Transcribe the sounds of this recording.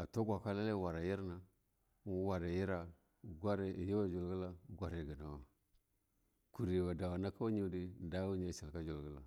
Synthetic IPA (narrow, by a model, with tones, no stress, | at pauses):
a˨to˦ɡʷa˨ka˦la˦le˦˨wa˨ɾa˨ji˦ɾna˨˦ | wa˨ɾa˨ji˦ɾa˨ | ɡʷa˦ɾji˦wa˦d͡ʒu˨lɡə˦la˦˨ɡʷa˦ɾe˨ɡi˨na˨wa˨ | ku˨ɾi˨wa˨da˨wa˨na˦ka˦wu˦ɲi˦˨di˦˨da˦wu˦ɲa˦˨sa˨lka˦d͡ʒu˨lɡə˦la̰˨